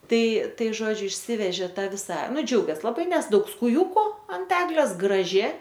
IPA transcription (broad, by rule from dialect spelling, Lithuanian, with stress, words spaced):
ˈtɐɪ ˈtɐɪ ˈʒoːd͡ʒʲʊ ɪʃʲˈsʲɪʋʲɛʒʲeː ˈtɑː ˈʋʲɪsɐ ˈnʊ d͡ʒʲɛʊɡʲeːs lˠɐˈbɐɪ ˈnʲɛs ˈdɐʊk skʊˈjuːkʊ ɐnt ˈæːɡlʲeːs ɡrɐˈʒʲɪ